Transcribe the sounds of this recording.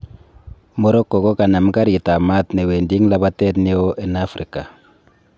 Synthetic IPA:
mo˦ɾɔ˦kːɔ˨kɔ˦ka˨na˨m˦ka˦ɾi˨ta˨ma˦tne˨weː˨ndi˦ŋ˦la˦βa˦tɛ˦tni˦o˦ʔɛ˦na˦fɾi˨ka˨

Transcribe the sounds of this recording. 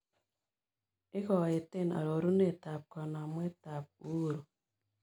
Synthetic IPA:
ɪ˦ɣɔ˨e˨te˦˨na̰˨ɾo˨ɾu˦ne˦˨ta˨p̚kɔ˨na˨m˦e˦ta˨p̚u˦˨ɾo˨

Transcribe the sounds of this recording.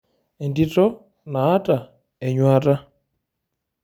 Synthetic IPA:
ɛ˨ndi˦tʼɔ˦ | naː˨˦tʼa˨ | ɛ˨ɲwa˦tʼa˦

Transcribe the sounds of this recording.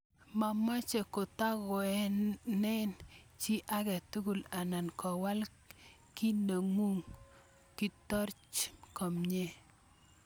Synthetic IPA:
ma˨mɔ˦t͡ʃe˨ko˨ta˦ɣɔ˨ɛ˦nɛ˦n | t͡ʃi˦ʔa˦kɛ˨tu˦ku˨la˨na˨nkɔ˨wa˦l | ki˦no˨ŋu˦ŋ | ki˦tɔ˦ɾt͡ʃkɔ˨mɲe˦

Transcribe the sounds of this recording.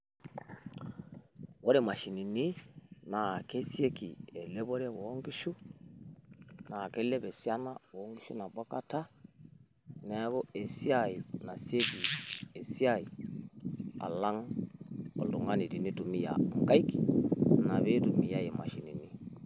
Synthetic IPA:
wo˦ɾe˦˨ma˨ʃi˨ni˨ni˦na˨ke˦sje˦ki˨e˨le˦bo˦ɾe˦wo˨˦ŋɡi˦ʃu˦ | na˨ke˦le˦be˨sja˦na˦wŋɡi˦ʃṵ˦na˨ba˦ka˦ta˦ | nɛ˨˦ɡo˦e˨si˦a˦˨i˨na˨sje˦ki˨e˨si˦a˦i˨ | a̰˨la˦ŋ | ɔ̰˨ldu˨ŋa˦ni˨di˨ni˦tu˨mi˦ja̰˨ŋ˦ka˦i˦ki˨na˨βe˦tu˨mi˨ja˦je˨ma̰˨ʃi˨ni˨ni˦

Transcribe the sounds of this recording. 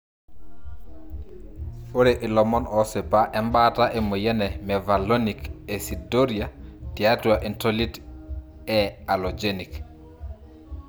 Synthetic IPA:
o˦ɾeʔi˨lɔmɔ˦nɔ˦se˨pa˦ʔɛ˦mba˦ta˦ʔe˨mo˨jɛ˦nɛmɛ˨va˨lo˦nike˨si˨do˦ɾiati˨atu˨aʔi˨ntoli˦t | ɛa˨lod͡ʒenik

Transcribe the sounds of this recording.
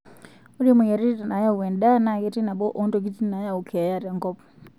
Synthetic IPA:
u˦ɾi˦mu˨ja˨ɾi˦ta˨na˨˦ja˦u˨wɛ˨nɗa˦na˨kɛ˦ti˦na˨ɓɔ˦ʔɔ˦ndɔ˨k̬i˦ti˦na˨˦ja˦u˨kʰɛ˨a˨ja˦ɾa˨ŋɡɔpɔ̥

